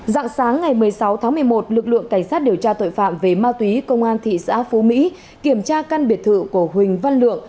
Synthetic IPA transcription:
za̰˧˨ŋsaː˨˦ŋːa˨˩jmɨ˨˩əjsa˨˦wt̪ʰaː˨˦ŋmɨ˨˩əjmo˨˩t̚lɨ˨˩k̚lɨ̰˧˨əŋka˧˩jŋ̟saː˦˥t̚ɗi˨˩əwt͡ɕaː˧t̪o̰˧˨jfa̰ː˧˨mve˨˩maː˧t̪wi˨˦kə˧wŋ͡mʔaː˧nt̪ʰḭ˧˨sa̰ː˧˥fu˨˦mḭ˧˥ | ki˧˩əmt͡ɕaː˧ka˧nɓi˨˩ət̪ʰɨ̰˧˨ku˧˩əɦwï˨˩ŋ̟va˧nlɨ̰˧˨əŋ

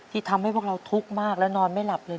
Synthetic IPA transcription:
t̪ʰiː˧˩t̪ʰa˧mha˥˩jpʰu˥˩kɾa˧wt̪ʰu˦˥k̚maː˥˩k̚lɛ˦˥nɔː˧nma˥˩jla˨˩p̚lɤː˧

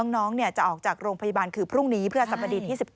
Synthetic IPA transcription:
ŋnɔː˦˥ŋni˥˩ət͡ɕa˨˩ʔɔː˨˩k̚t͡ɕaː˨˩k̚ɾoː˧ŋpʰa˧ja˧baː˧nkʰɯː˧pʰɾu˥˩ŋniː˦˥pʰɾɯ˥˩a˧˩sa˨˩p̚ʰːa˧diː˧˩t̪ʰiː˥˩si˨˩

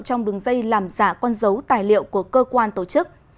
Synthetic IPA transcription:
wt͡ɕɔ˧wŋ͡mɗɨ˨˦əŋzə˧jlaː˨˩mzaː˧˩kɔ˧nzə˨˦wt̪aː˨˩jlḭ˧˨ə˨wku˧˩əkəː˧kwaː˧nt̪o˧˩t͡ɕɨ˦˥k̚

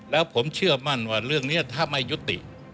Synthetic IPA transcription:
lɛː˦˥wpʰo˩˦mt͡ɕʰɯ˥˩ɐma˥˩nwaː˧˩ɾɯ˥˩əŋniː˦˥ɐt̪ʰa˧˥˩mːa˧jːu˦˥t̪ːḭ˨˩ʔ

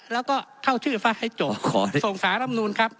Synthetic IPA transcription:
lɛː˦˥wkɔː˥˩kʰa˥˩wt͡ɕʰɯː˥˩fa˦˥t̪̚ha˥˩jt͡ɕoː˨˦kʰɔː˩˦so˨˩ŋsaː˩˦nʰa˧ma˧nuː˧nkʰa˦˥p̚

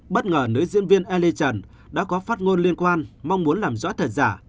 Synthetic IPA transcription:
ɓə˦˥t̚ŋəː˨˩nɨ̰˧˥zḭ˧˥ənvi˧ənʔɛ˧li˧t͡ɕə˨˩n | ɗa̰ː˧˥kɔ˨˦faː˦˥t̚ŋo˧nli˧ənkwaː˧nma˧wŋ͡mmu˨˦ənlaː˨˩mzɔ̰˧˥t̪ʰə˨˩t̚zaː˧˩

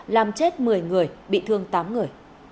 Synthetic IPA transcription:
laː˨˩mt͡ɕe˦˥t̚mɨ˨˩əjŋɨ˨˩əjɓḭ˧˨t̪ʰɨ˧əŋt̪aː˨˦mŋɨ˨˩əj

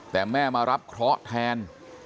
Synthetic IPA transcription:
t̪ɛː˨˩mɛː˥˩maː˧ɾa˦˥p̚kʰɾɔː˦˥t̪ʰɛː˧n

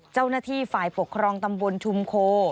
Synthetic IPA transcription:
t͡ɕa˥˩wnaː˥˩t̪ʰiː˥˩faː˨˩jpʰo˨˩kʰːɾɔː˧ŋt̪a˧mbo˧nt͡ɕʰu˧mkʰoː˧˥

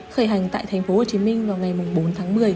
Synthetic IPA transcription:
xəː˧˩jɦa˨˩jŋ̟t̪a̰ː˧˨jt̪ʰɛ˨˩ŋ̟fo˨˦ho˨˩t͡ɕi˨˦mï˧ŋ̟vaː˨˩wŋa˨˩jmʊ˨˩ŋ͡mɓo˨˦nt̪ʰaː˨˦ŋmɨ˨˩əj

